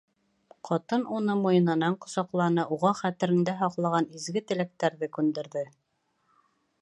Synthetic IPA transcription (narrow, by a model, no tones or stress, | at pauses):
qʰɒt̪ɤnunɤmujɤ̆nɤ̆nɑɴqŏsɑqlˠɑnɤuʁɑχæt̪ɘ̆ɾɘ̆ŋd̪æɦɒqlˠɑʁɑnizɡɘt̪ɘ̆læk̚t̪æɾðɘkʉnd̪ɘ̆ɾðɘ